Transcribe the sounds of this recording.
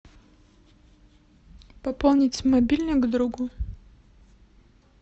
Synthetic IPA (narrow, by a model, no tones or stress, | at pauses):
pɐpɔlˠnʲitʲmɐbʲilʲnəɡd̪ɾuɡʊ